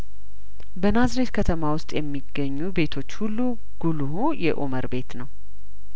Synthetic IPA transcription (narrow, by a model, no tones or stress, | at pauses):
bənazɾet̪kʰət̪ʰəmawʊst̪ʼjɛmːiɡːəɲːube̞t̪ʰo̞t͡ʃːhulːu | ɡ̥uluhujɛ̰ʔoməɾbe̞t̪nəw